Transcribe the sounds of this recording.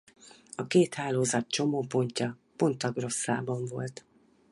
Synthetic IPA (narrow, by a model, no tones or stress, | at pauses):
ɒkeːt̪haːloːzɒt̪̚t͡ʃo̞moːpo̞ɲcɒpo̞nt̪ɒɡro̞sːa̰ːbɒɱvo̞̰lt̪